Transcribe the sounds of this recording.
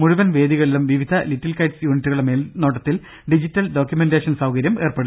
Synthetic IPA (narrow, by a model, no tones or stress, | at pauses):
muɻuʋɐnʋe̞ːd̪iɣɐɭilumʋiʋid̪ʱɐlitːilkɐjʈsjuːnitːuɣɐɭemeːlno̞ːʈ̬ːɐt̪ːil | ɖid͡ʑitːɐlɖo̞ːkʲjumendeːʂɐnsɐwkɐɾjɐme̞ːrpeɽu